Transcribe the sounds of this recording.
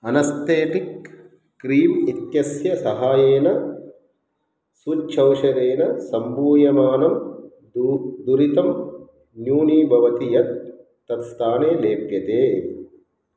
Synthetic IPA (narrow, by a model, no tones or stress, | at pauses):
ɐnɐst̪eːʈik | kɾiːmit̪jɐsjɐsɐɦaːjeːnɐ | sut͡ʃʰɐwʃɐɾeːnɐsɐmbuːjɐmaːnɐm | d̪uɾit̪ɐm | njuːniːbʱɐʋɐt̪ijɐt̪ː | ɐt̪st̪ʰaːneːleːpjɐt̪eː